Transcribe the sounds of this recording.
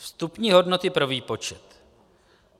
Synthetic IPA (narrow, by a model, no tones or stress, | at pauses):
fst̪upɲiːɦo̞dnot̪ɪpɾo̞viːpo̞t͡ʃɛt̪